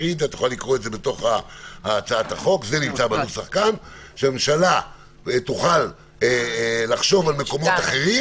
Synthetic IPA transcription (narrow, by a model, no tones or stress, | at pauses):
id̪at̪uχalːikʁoetze̞bet̪o̞χaaːt͡saat̪aχo̞kze̞nimt͡sabenusaχkan | ʃeameʃala | t̪uχal | elaχʃo̞valme̞ko̞mo̞t̪aχe̞ʁi